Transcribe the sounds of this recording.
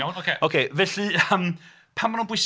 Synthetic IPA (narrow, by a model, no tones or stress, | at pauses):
anokʰeokʰeːvɛɬiəm | pʰamːanuːnbwɪjs